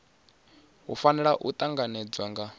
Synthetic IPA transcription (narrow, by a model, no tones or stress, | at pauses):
ɦufanɛɺaʔut̪ʼaŋɡanɛd͡zwaŋɡa